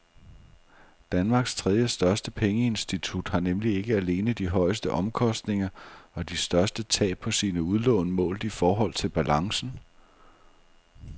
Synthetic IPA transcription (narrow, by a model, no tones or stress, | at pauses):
d̥ænmɑ̈ːɡ̥st͡sʰʁɛð̞ˠjəsd̥ɶɐsd̥əpʰeŋəe̝nsd̥it͡sʰud̥hɑ̈nemlie̝ɡ̥əæle̝ːnəd̥iɦɒ̽ɪsd̥əʔɒ̽mkʰɒ̽sd̥ne̝ŋɐɒ̽d̥isd̥ɶɐsd̥ət͡sʰɛ̰̥ːɒ̽siːnəuð̞ˠlɔʊnəmɔ̰ːld̥ifɒːɦɒ̽l̰t͡sʰe̝lb̥ælɑ̈ŋsn̩